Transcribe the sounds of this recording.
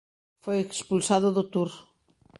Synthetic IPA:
fojekspulsaðʊðʊt̪uɾ

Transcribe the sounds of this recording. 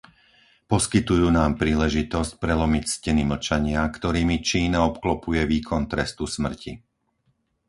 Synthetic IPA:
pɔskit̪ujuːnaːmpɾiːlɛʒit̪ɔsc̚pɾɛlɔmicscɛniml̩t͡ʃaɲɪakt̪ɔɾiːmit͡ʃiːnaɔpklɔpujɛʋiːkʰɔnt̪ɾɛst̪usmr̩ci

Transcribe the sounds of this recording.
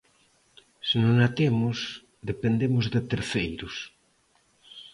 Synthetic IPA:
senoŋat̪emʊs | d̪epend̪emʊzðet̪eɾθejɾʊs

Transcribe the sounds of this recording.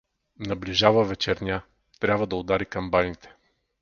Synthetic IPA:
nɐblʲiʒavɐvɛt͡ʃɛɾnʲa | t̪ɾʲabvɐd̪ɐod̪aɾikɐmbanit̪ɛ̥

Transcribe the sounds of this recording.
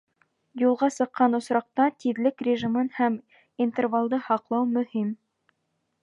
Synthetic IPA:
julˠʁɑsɤ̆qːɑnŏsɾɑq̚t̪ɑt̪iðlɘkrʲɪʒimɤnhæm | int̪ervalˠd̪ɤhɑqlˠɑwmɵ̆him

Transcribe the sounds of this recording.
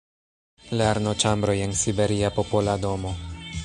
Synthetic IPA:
leɾnot͡ʃambɾo̞je̞nsibe̞ɾiapopolado̞mo̞

